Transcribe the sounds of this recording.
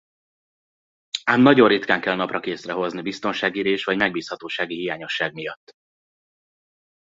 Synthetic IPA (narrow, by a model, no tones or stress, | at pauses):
aːmnɒɟorːit̪kaːŋkɛlnɒprɒkeːsrɛɦo̞znibist̪o̞nʃaːɡiːɾeːʃʋɒɟmɛɡ̚biːshɒt̪oːʃaːɡiɦijaːɲo̞ʃːaːɡ̚mijɒt̪ː